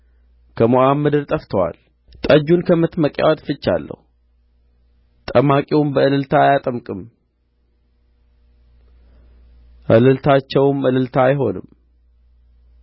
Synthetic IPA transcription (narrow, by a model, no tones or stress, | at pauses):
kʰəmoʔamːɨd̪ɨɾt̪ʼəft̪ʰəwa̰l | t̪ʼəd͡ʒunkʰəmɨt̪məkʼja̰wat̪fɨt͡ʃːa̰lːə̰h | t̪ʼəmakʼiwʊmbəɨlɨlt̪ʰajat̪ʼəmkʼɨm | ʔɨlɨlt̪ʰat͡ʃːɛwmɨlɨlt̪ʰajɦo̞nɨ̰m